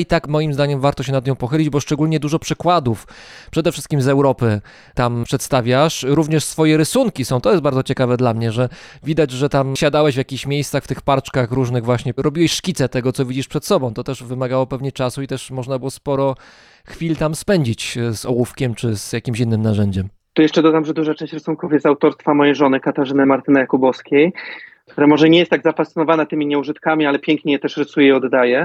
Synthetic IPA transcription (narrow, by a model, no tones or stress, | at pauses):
it̪akmɔjimzd̪aɲɛmvaɾt̪ɔɕ̬ɛnad̪ɲɔ̃w̃pɔxɘlʲid͡ʑbɔʂt͡ʂɛɡulɲɛd̪uʐɔpʂɘkwad̪ufpʂɛd̪ɛfʂɘst̪kʲimzɛwɾɔpɘ | t̪ampʂɛt̪st̪avʲjaʂɾuvɲɛʂsfɔjɛɾɘsuŋkʲisɔ̃w̃t̪ɔjɛst̪baɾd̪zɔt͡ɕɛkavɛd̪lamɲɛʐɛvʲid̪ad͡ʑʐɛt̪amɕad̪awɛɕvjakʲixɕmʲjejst̪saxft̪ɘxpaɾt͡ʂkaxɾuʐnɘɣvwaɕɲɛɾɔbʲiwɛɕʂkʲit̪sɛt̪ɛɡɔt̪sɔvʲid͡ʑiʂpʂɛt̪sɔbɔ̃w̃t̪ɔt̪ɛʐvɘmaɡawɔpɛvɲɛt͡ʂasuit̪ɛʂmɔʐnabɘwɔspɔɾɔ | xfʲilt̪amspɛɲd͡ʑit͡ɕzɔwufkʲɛmt͡ʂɘz̥jakʲimɕinːɘmnaʐɛɲd͡ʑɛm | t̪ɔjɛʂt͡ʂɛd̪ɔd̪amʐɛd̪uʐat͡ʂɛ̃ɕt͡ɕɾasuŋkuvjɛsawt̪ɔɾst̪famɔjejʐɔnɘkat̪aʐɘnɘmaɾt̪ɘnajakubɔskʲejkt̪uɾamɔʐɛɲɛjɛst̪aɡzapast̪ɨnɔvanɛt̪ɘmʲiɲɛuʐɘt̪kamʲialɛpʲjɛŋkɲɛjɛt̪ɛʂɾɘsujɛiɔd̪d̪ajɛ